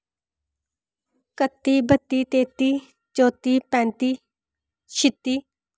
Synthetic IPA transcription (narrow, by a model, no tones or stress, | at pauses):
kət̪ːiːbət̪ːiːt̪eːt̪iː | t͡ʃoːt̪iːpɛ̃ːnt̪iː | ʃɪt̪ːiː